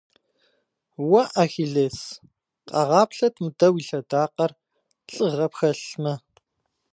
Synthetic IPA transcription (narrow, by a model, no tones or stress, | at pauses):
wɐʔaxiɮeːs | qʼɑʁɑːpɬɐtʰmɨdɐwiɬɐdaːqɐr | ɬʼɨʁɐpxɐɬmɐ